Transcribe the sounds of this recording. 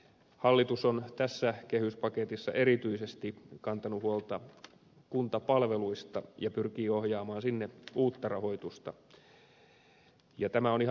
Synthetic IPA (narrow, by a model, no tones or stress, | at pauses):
hɑlːit̪usont̪æsːækehyspɑket̪isːɑ̰ʔe̞ɾit̪yisest̪ikɑnt̪ɑnuhuolt̪ɑ | kunt̪ɑpɑlʋeluist̪ɑjɑpyrkiːohjɑːmɑːnsinːeuːt̪ːɑrɑɦo̞it̪ust̪ɑ | jɑt̪æmæo̞nih